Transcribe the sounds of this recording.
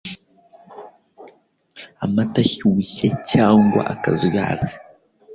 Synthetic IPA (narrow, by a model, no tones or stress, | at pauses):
amataçuçecaːŋɡwa̰ʔakazuja̰ːzi̥